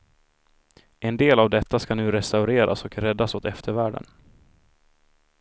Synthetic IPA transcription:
ʔɛnd̪eːlavd̪ɛt̪ːaskanʉ̟ːɾɛst̪aʊɾeːɾa̰sɔkɾɛd̪ːasoːt̪ɛft̪ʰəɾvæːɖə̰n

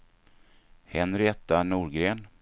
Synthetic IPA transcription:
hɛnɾɪɛt̪ːanuːɾɡɾeːn

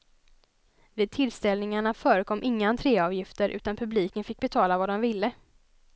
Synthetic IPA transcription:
vɪːd̪̚t̪ʰɪlst̪ɛlnɪŋaɳafœːɾəkʰɔmːʔɪŋːant̪ʰɾeːɑːvjɪft̪əɾʔʉ̟ːt̪anpʰɵbliːkənfɪk̚ːbɛt̪ʰɑːlavad̪ɔmvɪlːə

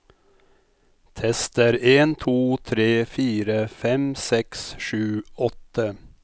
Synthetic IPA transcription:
t̪ʰɛst̪əɾeːnt̪ʰuːt̪ʰɾeːfiːɾəfɛmsɛksʃʉːɔt̪ə

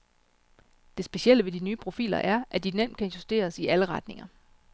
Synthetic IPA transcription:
d̥e̝sb̥e̝siel̰əʋe̝d̥inyːpʰʁo̝fḭːlɐ̰ʔæɐʔæd̥inem̰d̥̚kʰænjusd̥e̝̰ːɐsiʔæləʁɑ̈d̥ne̝ŋɐ

